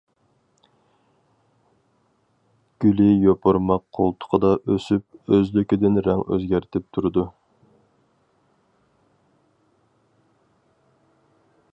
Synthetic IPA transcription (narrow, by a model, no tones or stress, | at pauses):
ɡ̥ʲylɪjopʰoɾmɑqqʰːolˠt̪ʰʊ̥qʰəd̪ɑʔøsyp̚øzlykʲid̪ɪnɾɛŋø̰zɡʲæɾt̪ʰɪp̚t̪ʰuɾɨd̪u